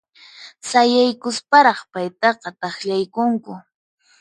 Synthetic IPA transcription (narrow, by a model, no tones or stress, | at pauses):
sajajkʊspaɾɑχpajt̪ɑqɑt̪ɑχʎajkʊŋkʊ